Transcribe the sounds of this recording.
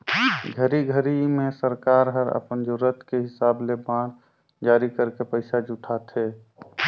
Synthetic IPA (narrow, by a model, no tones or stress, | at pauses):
ɡʱəɾiɡʱəɾimẽsəɾkaːɾɦəɾə̰pənd͡ʒʊɾət̪ʰkeɦɪsaːblebã | d͡ʒaːɾikəɾkepəɪsad͡ʒʊʈʰaːt̪ʰɦeː